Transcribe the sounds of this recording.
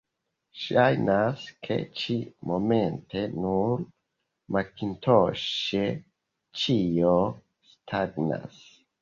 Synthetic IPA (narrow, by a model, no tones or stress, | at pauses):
ʃajnaskʰḛt͡ʃimome̞ntʰe̞nuɾ | makintʰoʃe | t͡ʃijo | stʰaɡna̰s